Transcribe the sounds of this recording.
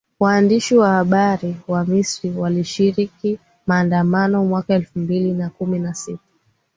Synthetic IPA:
waːndiʃiwahaɓaɾiwamisɾiwaliʃiɾiki | maːndamanɔmwakaɛlfumbilinakuminasitḁ

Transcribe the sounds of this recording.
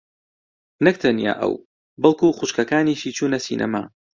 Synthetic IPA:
nɨk̚t̪ʰɐnja̰ːʔɐ̰w | bɐlˠkuxʊʃkɐkaːniːʃiːt͡ʃʰuːnɐsḭnʔɐ̰ma̰ː

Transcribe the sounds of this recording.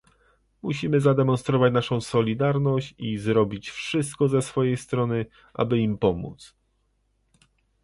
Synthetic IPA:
muɕimɘzad̪ɛmɔnst̪ɾɔvat͡ɕnaʂɔ̃w̃sɔlʲid̪aɾnɔɕt͡ɕizɾɔbʲit͡ɕfʂɘst̪̚kɔzɛsfɔjejst̪ɾɔnɘ | ʔa̰bɘimpɔmṵt̪s

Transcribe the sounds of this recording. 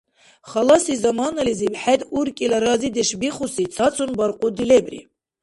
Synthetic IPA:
χɑlɑsizɑmɑːnɐlizibħɛd̪uɾkʼilɑɾɑzid̪ɛʃbiχusit͡s̪ʰɑt͡sʰunbɑɾqʼud̪ilɛbɾḭ

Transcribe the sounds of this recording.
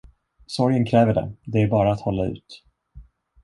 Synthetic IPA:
sɔɾjənkʰɾɛːvəɖɛ̰d̪ɛæɾbɑːɾaːt̪hɔlːaʉ̟̰ːt̪

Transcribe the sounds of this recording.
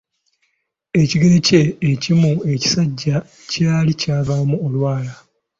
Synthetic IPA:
e̞ciɡeɾece̞ːcimue̞ci̥saɟːa | caːlicaːvamuolwaːla

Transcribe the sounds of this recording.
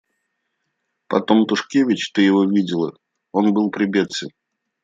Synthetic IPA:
pɐt̪o̞mt̪ʊʂkʲevʲɪt͡ɕt̪ɨjɪvo̞vʲidʲɪlˠə̰ | o̞nbɨlˠpɾʲɪbʲet̪sʲə

